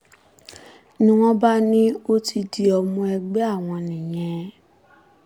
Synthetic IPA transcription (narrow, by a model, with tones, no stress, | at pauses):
nĩ˧w̃ɔ̃˦ba˦nĩ˦o˦ti˧di˧ɔ˧mũ˧ɛ˧ɡ͡bɛ˦a˦˨w̃ɔ̃˧nĩ˨j̃ɛ̃˨˧